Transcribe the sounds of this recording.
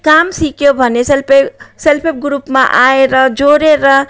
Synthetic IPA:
kamsikjobʱʌneslpeselpʰep̚ɡɾupmaʔaeɾʌd͡ʒoɾeɾʌ

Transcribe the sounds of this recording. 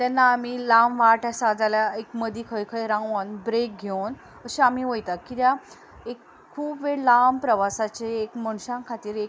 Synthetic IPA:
t̪anːaːm̤ilamʋaʈasad͡zaljaekməd̪ikʰəjkʰəjɾãənbɾek̚ɡʱewn | əɕiam̤iʋəjt̪akit̪ja | ek | kʰːuːbʋelampɾəʋasat͡ɕeːkməɳ̃ɕãŋkʰat̪iːɾe

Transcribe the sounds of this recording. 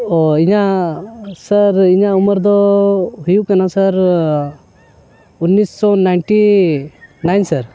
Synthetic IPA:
ɔiɲa | səɾiɲauməɾd̪ɔɦujukanasəɾ | unːisːɔnajnʈi | najnsəɾ

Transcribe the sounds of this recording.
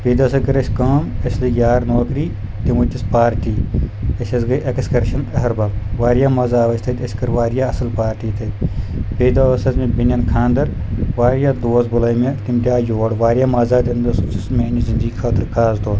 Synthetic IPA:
peːd̪ɐsɐkɐɾɐsʲkaːmɐslijaːɾnoːkɾiː | t̪imɐtʲːispaːɾʈiːɐsʲɐzɡɐʔekskɐɾʃɐnɐɦɐɾbɐʋaːɾjaːmɐzaːʋɐst̪ʰɐt̪ʲɐsʲkɐɾʋaːɾjaːɐsɐlpaːɾʈiːt̪ʰɐpeːd̪aɐsɐzmẽbinʲjɐnkʰãːnd̪ɐɾ | ʋaːɾjaːd̪oːsbʊlɐjmɐt̪imʈʲaːjoːɽʋaːɾjaːmɐzaːt̪ɐnd̪ɐsssmeːnizind̪ɡiːkʰaːt̪ɨɾkaːzd̪oː

